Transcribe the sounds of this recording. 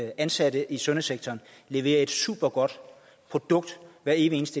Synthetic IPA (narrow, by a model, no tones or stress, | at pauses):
ʔænsæd̥əʔisɔ̽nəseɡ̥̚t͡sʰɒːn | le̝ʋe̝̰ːɐe̝d̥sṵːb̥ɐɡ̥ɒ̽d̥ | pʰʁo̝d̥ɔ̽ɡ̥̚d̥ʋæɐe̝ːʋie̝ːnəsd̥ə